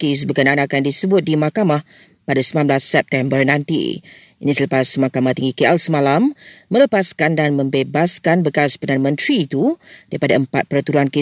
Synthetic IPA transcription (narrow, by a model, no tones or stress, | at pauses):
kes̬bəkənãanakandisəbʊt̪̚dimakamah | padasəmanblasːɛp̚t̪ɛmbərnãnt̪ḭ | inĩsələpasmãkamaht̪iŋɡikeʔɛlsəmalamːə̃ləpaskandanmə̃mbebaskanbəkaspərdanəmə̃nt̪ɾiːt̪udaɾipadaəmpat̪̚pərt̪uɾuanke